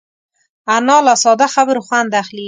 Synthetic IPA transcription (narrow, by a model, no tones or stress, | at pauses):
anɑːlasɔd̪axabɾʊxwand̪axli